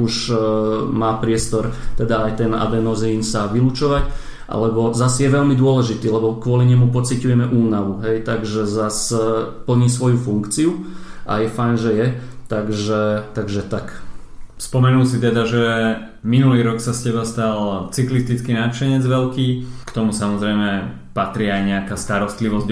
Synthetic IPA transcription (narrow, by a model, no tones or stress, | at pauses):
uʃ | maːpɾɪɛst̪ɔɾt̪ɛd̪aːjt̪ɛna̰bɛnɔziːnsaʋilut͡ʃɔʋac | ʔa̰lɛbɔzasjɛʋɛʎmid̪ʊɔlɛʒit̪iːlɛbɔkʋʊɔliɲɛmupɔt͡sicujɛmɛʔuːnaʋuɦɛjt̪aɡʒɛzaspl̩ɲiːsʋɔjufuŋkt͡siuʔa̰jɛfajnʒɛjɛt̪aɡʒɛt̪aɡʒɛt̪ak | spɔmɛnulsit̪ɛd̪aʒɛ | minuliːɾɔksascɛbast̪alt͡siklist̪it͡skiːnat͡ʃɛɲɛd͡zʋɛlkiːkt̪ɔmusamɔzɾɛjmɛ | pat̪ɾiːajɲɛakaːst̪aɾɔst̪liʋɔzɟ